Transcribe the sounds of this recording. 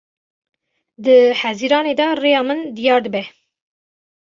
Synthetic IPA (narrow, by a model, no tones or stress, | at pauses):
d̪ɨħæziɾɑːned̪ɑreːjɑːmɨnd̪ijɑːɾd̪əbɛ